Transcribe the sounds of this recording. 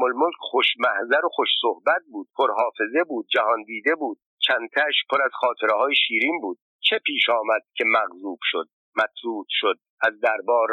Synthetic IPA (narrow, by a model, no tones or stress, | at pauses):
molmolkʰχoʃmæhzæɾoxoʃsohbæt̪̚buːd̪̥̚pʰoɾɦɒːfe̞ze̞buːd̪̥̚d͡ʒæhɒnd̪iːd̪e̞buːd̪̥̚t͡ʃʰænt̪ʰæʃpʰoɾæzχɒːt̪ʰe̞ɾeɦɒːjeʃiːɾinbuːd̪̥̚ | t͡ʃʰe̞pʰiːʃɒːmæd̪̥̚cʲʰe̞mæɣzuːb̥ʃod̪̥̚ | mæt̪ʰɾuːd̪̥ʃod̪̚æzd̪æɾbɒːɾ